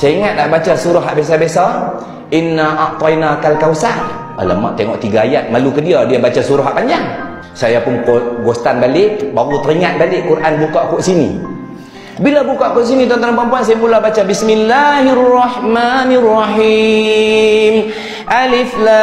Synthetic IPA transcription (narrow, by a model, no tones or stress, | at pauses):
saiŋat̪̚naʔbat͡ʃasuɾʊɦaʔbes̬abesa | inaʔaʔt̪ɔinakalkausan | ə̰lə̰ma̰ʔt̪eŋɔʔt̪iɡaajat̪̚malukədiadiabat͡ʃasuɾʊɦaʔpaɲd͡ʒaŋ | sajapʊnkoɡɔst̪anbalɪʔbaɣut̪əɾiŋat̪̚balɪʔkuɾʔanbukaʔkuʔsinḭ | bilabukaʔkuʔs̬init̪ɔnt̪aŋanpampuans̬ajapulabat͡ʃabismilːahrːɑhmanirːɑhi | m | ʔalɪfla